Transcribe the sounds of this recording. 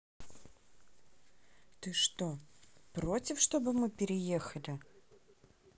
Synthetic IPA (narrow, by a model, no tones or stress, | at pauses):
t̪ɨʂt̪opɾotʲɪfʂt̪o̞bɨmɨpʲɪɾʲɪjexəlʲɪ